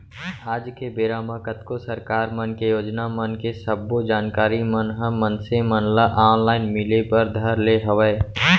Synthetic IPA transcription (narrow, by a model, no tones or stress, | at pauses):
aːd͡ʒkebeːɾaːmakət̪kosəɾkaːɾmənkejoːd͡ʒnamənkesəbːod͡ʒaːnkaːɾimənɦəmənsemənləʔaːnlaːɪnmɪlepəɾd̪ʱəɾleɦəʋɛ